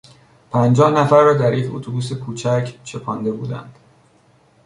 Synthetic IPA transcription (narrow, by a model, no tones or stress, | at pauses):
pʰænd͡ʒɒːhnæfæɾːɒːd̪æɾjecʰot̪ʰobuːs̬e̞kʰuːt͡ʃʰæcʰt͡ʃʰe̞pʰɒːnd̪e̞bṵːd̪æ̰nd̪̥